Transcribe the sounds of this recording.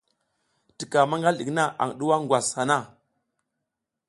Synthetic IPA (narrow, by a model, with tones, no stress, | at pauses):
ti˨ka˨ma˦ŋɡa˦lɗi˨kna˦ʔa̰˨ŋ˨ɗu˦wa˦ŋɡwa˨sha˨na˦˨